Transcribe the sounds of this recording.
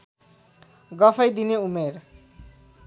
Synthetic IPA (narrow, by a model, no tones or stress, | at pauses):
ɡʌpʰʌjd̪ineumeɾ